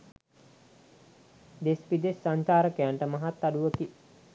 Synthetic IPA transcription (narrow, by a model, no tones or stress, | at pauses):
d̪espid̪esːaɲt͡ʃaːɾəkejaɳʈəmaɦat̪ːaɖuʋəki